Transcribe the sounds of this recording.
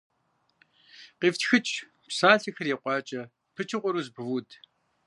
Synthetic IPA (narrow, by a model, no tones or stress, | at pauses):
qiːftxɨt͡ʃʼ | psaːɬixɐrjeːqʷʼɑːt͡ʃʼɐ | pʰɨt͡ʃʰɪqʷɔɾuːzbwudʰ